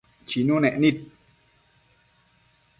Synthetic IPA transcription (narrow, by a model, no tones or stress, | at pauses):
t͡ʃinũnẽʔnĩt̪̚